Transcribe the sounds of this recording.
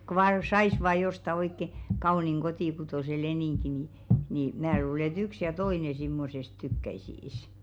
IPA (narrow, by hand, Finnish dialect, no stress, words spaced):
ko ʋɑː sɑis ʋɑː jostɑ oikːe kɑuniŋ kotiˑkutoˑse leniŋki ni niˑ mæː luːle ĕt yks jɑ toine simːosest tykːæisiːs